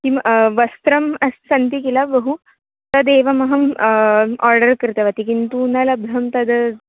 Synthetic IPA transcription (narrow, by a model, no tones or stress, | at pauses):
kiʋɐst̪ɾɐmɐssɐnt̪ikilabəɦu | t̪ɐd̪eʋɐmɐɦɐm | ɔɾɖəɾkɾɪt̪ɐʋat̪ikint̪unɐlɐbd̪ʱɐmt̪ɐd̪